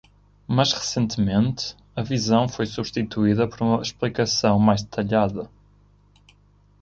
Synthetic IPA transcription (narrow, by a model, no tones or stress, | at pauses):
mɐʃʁɨsẽnt̪mẽnt̪ | ɐvizɐ̃w̃fojsuβʃt̪it̪uiðɐpɔɾumɐʃplˠikɐsɐ̃w̃majʒdðɨt̪ɐʎaðɐ